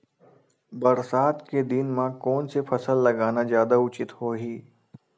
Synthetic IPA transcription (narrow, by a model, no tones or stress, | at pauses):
bɐɾsaːt̪ked̪inmãkɔːnsepʰɐsəlːɐɡaːnazjaːd̪aʊt͡ʃɪt̪hoːɦiː